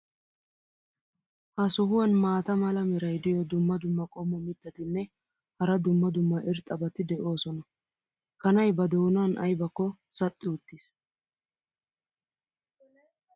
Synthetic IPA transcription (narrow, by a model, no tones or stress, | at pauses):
hɐsʊɦʊwɐnmaːt̪ɐmɐlɐmɪɾɐjd̪ɪjɔd̪ʊmːɐd̪ʊmːɐkʼɔmːɔmɪd̪ːɐt̪ɪnːɛ | hɐɾɐd̪ʊmːɐd̪ʊmːɐʔɪɾt̪ʼɐbɐt̪ɪd̪ɛʔo̞ːsɔnɐ | kɐnɐjbɐd̪oːnanʔɐ̰jbɐkːɔsɐt̪ʼːɪʊt̪ːis